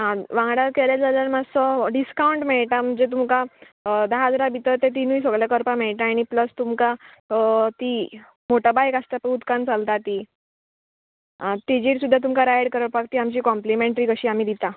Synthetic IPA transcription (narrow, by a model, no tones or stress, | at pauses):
ɦãʋãŋɡɽaɾkeljad͡zaləɾmasɔɖiskauɳʈmeɭʈ̪am̤əɳd͡zet̪̬umka | d̪əɦad͡zɾabʱit̪ət̪et̪̬inuis̬əɡɭjakəɾpameɭʈ̪aːɽ̃ipləst̪umka | t̪iː | moʈabajkast̪apəut̪kant͡salt̪at̪iː | ɦãt̪id͡ʑiːɽsud̪ʱːat̪umkaɾaeɽkəɾəʈpakt̪iːamt͡ɕiːkɔmplimẽɳʈɾiːkəɕiːam̤iːd̪it̪a